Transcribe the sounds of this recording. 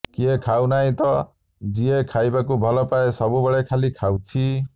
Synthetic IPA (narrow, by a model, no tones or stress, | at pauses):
kiekʰawnaɦĩt̪ɔ | d͡ʒiekʰajbakubʱɔlɔpaesɔbubɔɭekʰalikʰawt͡ʃʰi